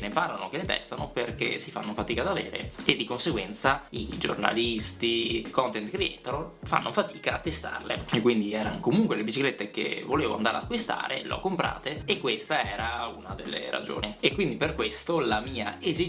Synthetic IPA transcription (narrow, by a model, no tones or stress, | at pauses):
neparlanokenet̪ɛ̰st̪anoperkḛsifa̰nːofat̪iːkad̪aveːɾḛed̪ːikonseɡwɛnt̪said͡ʒo̰rna̰list̪ikɔnt̪ent̪kɾiḛnt̪eɾofa̰nːʔofat̪iːkaːt̪ːest̪a̰rlḛekːwind̪iɛːɾanokomuŋkwelebit͡ʃiklet̪ːek̟ḛvoleːvoa̰nd̪aːɾḛa̰kːwist̪a̰ːɾḛleɔ̰kːompɾa̰ːt̪eekːwest̪aɛːɾaunad̪elːḛɾa̰d͡ʒo̰ːniekwind̪iperkwest̪olamiːaʔezi